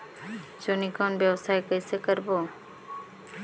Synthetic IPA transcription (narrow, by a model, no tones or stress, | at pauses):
d͡ʒonikaːnbjəwsaːjkəisekəɾboː